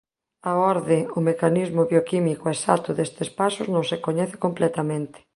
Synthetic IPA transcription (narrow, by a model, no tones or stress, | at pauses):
aɔɾðɪʊmekanizmʊβjokimikoesa̰t̪ʊðest̪ɪspasʊznõŋsekoɲɛθɪ̥komplɛt̪amẽnt̪ɪ̥